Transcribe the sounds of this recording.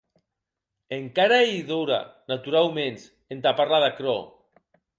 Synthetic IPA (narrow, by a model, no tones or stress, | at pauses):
eŋkaɾaiðoɾa̰nat̪uɾawmens | ent̪apaɾlaðakɾɔ